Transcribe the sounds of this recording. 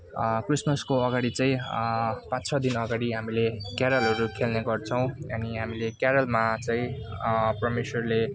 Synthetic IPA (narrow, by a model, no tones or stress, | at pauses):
krismʌskoʌɡaɽit͡saĩ | pãt͡sʰʌd̪inʌɡaɽiɦamilekjaɾʌlɦʌɾukʰelneɡʌrt͡sʰʌw̃ʌniɦamilekjaɾʌlmat͡saĩ | prʌmeswʌrle